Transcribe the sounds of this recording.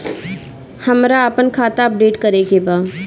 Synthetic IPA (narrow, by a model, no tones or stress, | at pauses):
hɐmɾaəpənkʰaːt̪aɐp̚ɖeːʈkəɾeːɡebaː